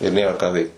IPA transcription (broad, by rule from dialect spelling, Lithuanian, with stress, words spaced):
ɪr ˈnʲeːrɐ kɑː ˈʋʲɛɪkt